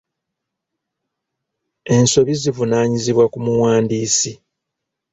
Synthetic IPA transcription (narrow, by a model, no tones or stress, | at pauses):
e̞nso̞βizivunaːɲiziβwakumuwaːndiːsi